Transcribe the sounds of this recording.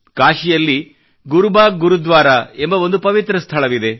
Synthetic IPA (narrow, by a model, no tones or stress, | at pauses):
kaːʃijɐlːi | ɡuɾubaːɡuɾud̪ʋaːɾaembɐo̞nd̪upɐʋit̪ɾɐst̪ʰɐɭɐʋid̪e̞